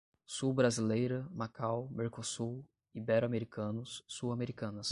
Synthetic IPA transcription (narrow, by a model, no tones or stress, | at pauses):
subɾazilejɾɐmakawmeɾkosu | ibɛɾameɾikɐ̃nʊsːuameɾikɐ̃nɐs